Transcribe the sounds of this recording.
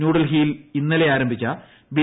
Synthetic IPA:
nuːɽɐlɦiːlinːɐle̞aːɾɐmbʱit͡ɕːɐ | ʋi

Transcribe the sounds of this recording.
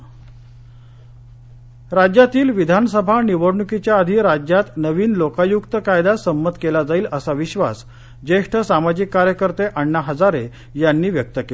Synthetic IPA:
ɾad͡ʑjat̪iːlʋid̪ʱansəbʱaniʋəɽɳukit͡ɕjaːd̪ʱiːɾad͡ʑjat̪nəʋiːnlokajukt̪əkajd̪asəmːət̪kelad͡zaiːləsaʋiɕʋa̰s | d͡ʑeʂʈʰəsamad͡ʑikːaɾjəkəɾt̪eʔəɳːaɦəd͡zaɾe | janːiːʋjək̚t̪əkel

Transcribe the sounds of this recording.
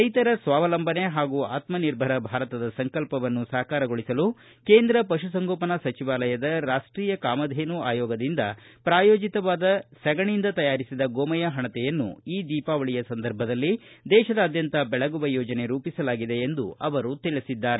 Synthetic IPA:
ɐjt̪ɐɾɐsʋaːʋɐlɐmbʱɐne̞ɦaːɡuːaːt̪mɐniɾbʱɐɾɐbʱaːɾɐt̪ɐd̪ɐsɐŋkɐlpɐʋɐnːusɐːɐkaːɾɐɡoɭisɐlu | keːnd̪ɾɐpɐʃusɐŋɡoːpɐnɐsɐt͡ʃiʋaːlɐjɐd̪ɐɾaːʂʈɾiːjɐkaːmɐd̪ʱeːnuaːjɔːɡɐd̪ind̪ɐpɾaːjoːd͡ʒit̪ɐʋaːd̪ɐsɐɡɐɳind̪ɐt̪ɐjaːɾisid̪ɐɡoːmɐjɐɦɐɳɐt̪ɛjɐnːṵiːd̪iːpaːʋɐɭijɐsɐnd̪ɐɾbʱɐd̪ɐlːid̪ɛːʃɐd̪ɐːd̪jɐnt̪ɐbɛɭɐɡuʋɐjɔːd͡ʒɐne̞ɾuːpisɐlaːɡid̪e̞ːnd̪uɐʋɐɾut̪iɭisid̪ːaːɾe

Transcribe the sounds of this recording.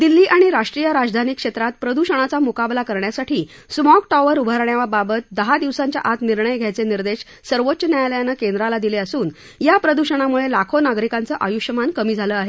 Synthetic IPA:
d̪ilːiːʔaɽ̃iɾaʂʈɾijəɾad͡zd̪ʱanikʂet̪ɾat̪pɾəd̪uɕəɽ̃at͡samukablakəɾɳjasaʈʰiː | smɔkʈaʋəɾubʱaɾɳjaʋababət̪̚d̪əɦad̪iʋsaɲt͡ɕja̰ʔat̪niɾɳəjɡʱjajt͡seniɾd̪eɕ | səɾʋotːɕənjajləjanəkend̪ɾalad̪ileəsuːn | japɾəd̪uɕəɽ̃amuɭelakʰonaɡɾikant͡səʔajuɕəmankəmiːd͡zʱaləaɦe

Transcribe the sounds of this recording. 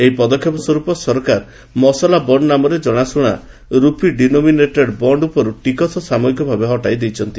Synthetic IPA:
eɦipɔd̪ɔkʰːjɔpɔsɔɾupɔsɔɾɔkaɾ | mɔsɔlabɔɳɖnamɔɾed͡ʒɔɽ̃asuɽ̃a̰ | ɾupiɖinomineʈeɖbɔɳɖupɔɾuʈikɔsʰɔsamɔikɔbʱabeɦɔʈajd̪ejt͡ʃʰɔnt̪i

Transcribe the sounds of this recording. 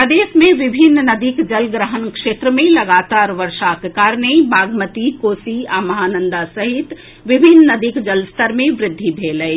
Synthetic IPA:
əd̪eːʃmẽʋɪbʱɪnːnɐd̪ikd͡ʒəlɡɾəɦənkʃeːt̪ɾəmẽlɐɡaːt̪aːɾʋəɾʃakekaːɾnebaːɡmət̪ikoːsiaːmɐɦaːnə̃nd̪asɐɦɪt̪ | ʋɪbʱɪnːɐd̪ikd͡ʒəlst̪ʰəɾmẽʋɾɪd̪ʱːibʱeːləi

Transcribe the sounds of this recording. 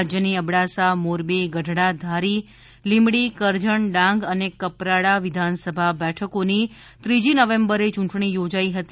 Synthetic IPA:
d͡ʒjəniəbɽasamoɾbiɡəɖʱɽad̪ʱaɾi | limɽikəɾd͡ʒəɳɖãŋɡənekəpɾaɽaʋɪd̪ʱansəbʱabɛʈʰəkoni | t̪ɾid͡ʒinəʋẽmbəɾet͡ʃũɳʈɳ̃ijod͡ʒaiɦət̪i

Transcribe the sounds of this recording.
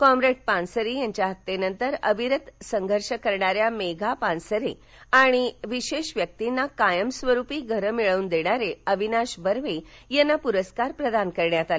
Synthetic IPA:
kɔmɾeʈ̚pãnsəɾijaɲt͡ɕjaɦət̪ːenənt̪əɾəbʱiɾət̪səŋɡʱəɾɕəkəɾɳaɾjameɡʱapãnsəɾe | aɽ̃iʋiɕeɕʋjək̚t̪inːakajəmsʋəɾupiːɡʱəɾəmiɭəuːnd̪eɽ̃aɾeəʋʱinaɕbəɾʋejenːapuɾəskaɾpɾəd̪ankəɾɳjat̪ale

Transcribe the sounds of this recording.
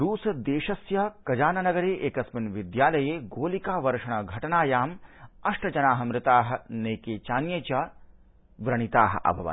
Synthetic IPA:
ɾuːsɐd̪eːʃɐsjɐkɐd͡ʒaːnɐnɐɡɐɾeːʔeːkɐsminʋid̪jaːlɐjeːɡoːlikaːʋɐɾʂɐɳɐɡʱɐʈɐnaːjaːmɐʂʈɐd͡ʒɐnaːɦɐ̆mɾɪt̪aːɦɐ̆neːkeːt͡ʃaːnjeːt͡ʃaː | ʋɾɐɳ̃it̪aːɦɐ̰̆ʔɐ̰bʱɐʋɐ̰n

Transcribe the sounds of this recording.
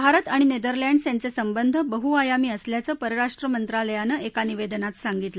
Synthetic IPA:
bʱaɾət̪aɽ̃ined̪əɾlaɳɖsjant͡sesəmbənd̪ʱəbəɦuajamiːəsljat͡səːpəɾəɾaʂʈɾəmənt̪ɾaləjanəʔekaniʋed̪ənat̪saŋɡit̪lə

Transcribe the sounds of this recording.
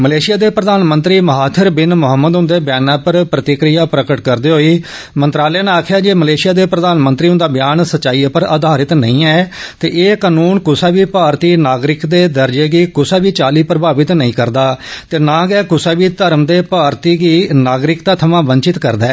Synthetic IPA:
məleːʃɪjaːd̪eːpɾəd̪aːnmə̃nt̪ɾiːməɦaːt̪ʰəɾbɪnmʊɦəmːəd̪ɦʊ̃nd̪eːbjaːnãːpəɾpɾət̪ɪkɾijaːpɾəkəʈkəɾd̪eːɦoːiː | mə̃nt̪ɾaːlɛːneaːkʰɪjaːd͡ʒeːməleːʃɪjaːd̪eːpɾəd̪aːnmə̃nt̪ɾiːɦʊ̃nd̪aːbjaːnsətːt͡ʃaːiːpəɾə̰d̪ʱaːɾɪt̪nə̰ĩːɛːt̪eːʔeːkaːnuːnkʊsaːʋiːpaːɾt̪iːnaːɡɾɪkd̪eːd̪əɾd͡ʒeːɡiːkʊsaːbiːt͡ʃaːliːpəɾəbaːʋɪt̪nəĩːkəɾd̪aːt̪eːnãːɡɛːkʊsaːbiːt̪əɾmd̪eːpaːɾt̪iːɡiːnaːɡɾɪkt̪aːt̪ʰəmãːʋəɲt͡ʃɪt̪kəɾd̪aː

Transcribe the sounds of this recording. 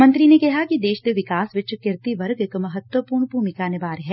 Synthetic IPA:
mɐ̃nt̪ɾinekɛɦakid̪eːʃd̪eʋɪkaːsʋɪt͡ʃkɪɾt̪iʋɐɾɡəkmɐɦət̪wəpuːɾɳpuːɾmɪkanɪbaːɾɦɛː

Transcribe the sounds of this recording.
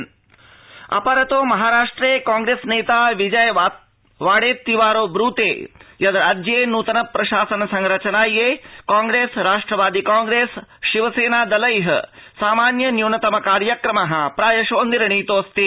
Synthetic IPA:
ɐ̰pɐɾɐt̪oːmɐɦaːɾaːʂʈɾeːkaːŋɡɾeːsneːt̪aːʋid͡ʒɐj | ʋaːɽeːt̪ːiʋaːɾoːbɾuːt̪ḛːjɐd̪ɐɾaːd͡ʒjeːnuːt̪ɐnɐpɾɐʃaːsɐnɐsɐŋɾɐt͡ʃɐnaːjeːkaːŋɡɾeːsɾaːʂʈɾɐʋaːd̪ikaːŋɡɾeːsʃiʋɐseːnaːd̪ɐlɐjɦɐ̰saːmaːnjɐnjuːnɐt̪ɐmɐkaːɾjɐkɾɐmɐɦɐpɾaːjɐʃoːnd̪iɾɐɳiːt̪oːst̪i

